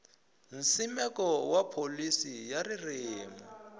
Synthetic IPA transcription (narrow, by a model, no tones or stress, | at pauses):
n̩simɛkɔwapʰolisijarirɪːma